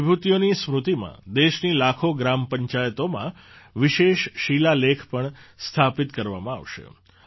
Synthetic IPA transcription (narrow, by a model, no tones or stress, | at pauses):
bʱut̪ijonismɾut̪imã̰d̪eʃnilakʰoɡɾampəɲt͡ʃajət̪omã̰ | ʋiʃeʃʃilalekʰpəɳst̪ʰapit̪kəɾʋamãa̰ʋʃḛ